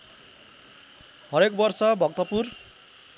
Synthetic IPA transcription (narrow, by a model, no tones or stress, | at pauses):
ɦʌɾekbʌrsʌbʱʌk̚t̪ʌpur